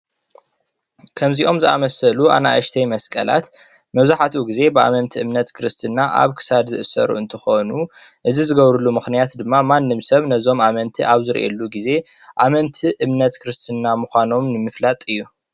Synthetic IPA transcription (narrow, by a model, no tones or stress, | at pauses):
kʰɐmziʔo̞mzɨʔa̰mɐsɐluʔa̰na̰ʔɨʃt̪ʰɐjmɐskʼɐla̰t̪ | mɐβzaħat̪ʰuɡize̞bɨa̰mɐnt̪ʰiʔɨmnɐt̪kʰɨɾɨst̪ʰɨnːaʔa̰βkʰɨ̥sad̪zɨʔɨsɐ̰ɾṵɨnt̪ʰɨxonuʔɨzizɨɡɐβɾulumɨxnijat̪d̪ɨmːamanːɨmsɐβnɐzo̞mʔamɐnt̪ʰiʔaβzɨɾʔḛlːuɡize̞ | ʔamɐnt̪ʰiʔɨmnɐt̪kʰɨɾɨst̪ʰɨnːamuxʷano̞mnɨmɨflat̪ʼɨjːu